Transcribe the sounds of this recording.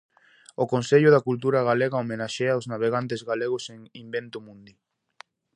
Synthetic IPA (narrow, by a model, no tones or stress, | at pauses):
okonseʎʊðakult̪̬uɾaɣaleɣaomenaʃeawznaβ̞eɣant̪ezɣaleɣʊseŋimbent̪omũnd̪i